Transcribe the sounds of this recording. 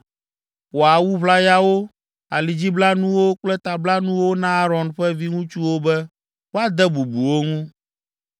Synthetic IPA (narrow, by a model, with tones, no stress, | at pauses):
wo˨a˨wu˦βla˦ja˦wo˦ | a˨li˨d͡ʑi˦bla˦nũ˦wo˦k͡plɛ˦t̪a˨bla˦nũ˦wo˦nã˦a˦ɾɔ˨nɸɛ˦vi˦ŋũ˦t͡ʃu˦wo˦bɛ˦ | wo˦a˦d̪ɛ˦bu˨bu˨wo˦ŋũ˦